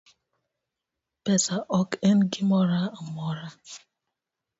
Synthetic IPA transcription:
pesaʔɔken̩ɡimɔɾamɔɾa

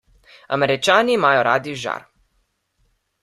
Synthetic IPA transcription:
a̰mɛɾit͡ʃaːniːmaːjɔɾaːd̪iʒa̰ɾ

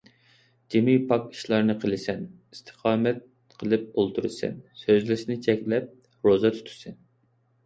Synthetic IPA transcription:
d͡ʒemipʰɑki̥ʃlˠɑɾnɨqʰəlˠɪsɛn | ist̪ʰə̥qʰɑːmɛt̪̚ | qʰəlˠɨp̚olˠt̪ʰuɾɨsɛ̰nsøzlɪʃɪnɪt͡ʃʰɛkʲlɛp̚ | ɾozɑt̪ʰu̥t̪ʰu̥sɨn

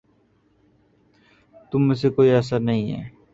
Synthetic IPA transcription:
t̪ʊmːes̬ekoːiɐs̬əɾnɐɦĩɦɛ̰ː

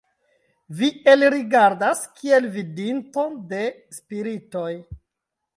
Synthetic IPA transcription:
vie̞lɾiɡaɾdaskʰie̞lvidinto̞de̞ | spiɾito̞j

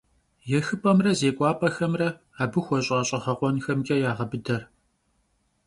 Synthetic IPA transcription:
jɛxɨpʼɐmrɐzeːkʷʼɑːpʼɐxɐmrɐ | aːbɨxʷɔɕʼɐɕʼɐχɐqʷɔnxɐmɡʲʼɐjaːʁɐbɨdɐr

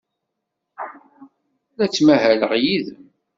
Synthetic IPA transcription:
læt͡sːmæhæləʁjið

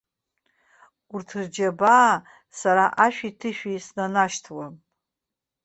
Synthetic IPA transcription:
urtʰɨrd͡ʒabaː | saɾaʔaʃᶣitʰɨʃᶣisnanaʃtʰwa

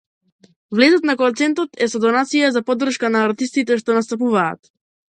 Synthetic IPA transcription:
vlɛzɔt̪nakɔt̪sɛnt̪ɔt̪ɛsɔd̪ɔnat̪sijazapɔd̪ːr̩ʃkanaːɾt̪ist̪it̪ɛʃt̪ɔnast̪apuva̰ːt̪

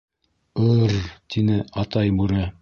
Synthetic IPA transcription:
ɤɾt̪inɘɑt̪ɑjbʉɾæ

